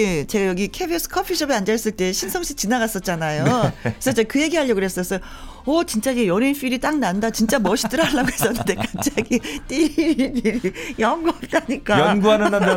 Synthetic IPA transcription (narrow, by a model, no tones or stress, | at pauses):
t͡ɕe̞ɡajʌɡikʰebis͈ʰɯ̥kʰʌpʰiɕʰʌbiand͡ʑaɭs͈ɯɭt͈e̞ɕʰinsʰʌŋɕʰi̥t͡ɕinaɡas͈ʌt̚t͡ɕ͈anajokesʰʌt͡ɕekɯje̞ɡiɦaʎːʌɡɯɾɦes͈ʌs͈ʌ | ʌt͡ɕint͡ɕ͈aiɡejʌɾinf͈iɾit͈aŋnandat͡ɕint͡ɕ͈amʌɕʰi̥t͈ɯɾaɭːaɡoɦe̞s͈ʌnːɯnde̞kḁp̚t͡ɕ͈aɡit͈iɾiɾniɾijʌŋɡuat͈aɲik͈aɡuanaa